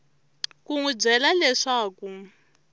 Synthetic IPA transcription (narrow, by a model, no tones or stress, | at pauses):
kuŋub͡ʐɛlalɛʂaːku